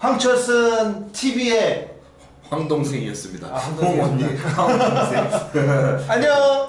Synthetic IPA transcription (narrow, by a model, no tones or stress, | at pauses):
ɸwaŋt͡ɕʰʌs͈ʰɯntʰibie | ɸwaŋdoŋsʰeŋiʌs͈ɯmɲida̰ | asʰe | aɲo